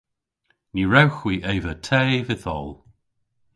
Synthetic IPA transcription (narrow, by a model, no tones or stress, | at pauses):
niɹɛwxwiːʔejvətʰɛːvɪθɔ̰lˠ